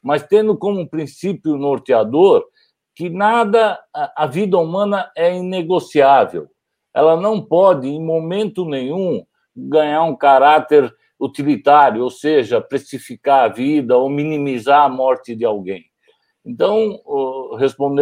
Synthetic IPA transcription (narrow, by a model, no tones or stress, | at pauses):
mɐst̪ẽnd̪ʊkõmʊpɾĩsipjʊnoɾt̪ɪad̪oɾ | kɪnad̪ɐɐvid̪ɐumɐ̃nɐɛĩneɡosiavḛw | ɛ̰lɐnɐ̃w̃pɔd̪ɪẽj̃momẽnt̪ʊnẽj̃ũ | ɡɐ̃ɲaɾũkaɾat̪eɾ | ut̪ilit̪aɾjʊowseʒɐpɾesifikaɾɐvid̪ɐominimizaɾɐmɔɾt̪ɪd̪ɪawɡẽj̃ | ẽnt̪ɐ̃w̃ | hespõnd̪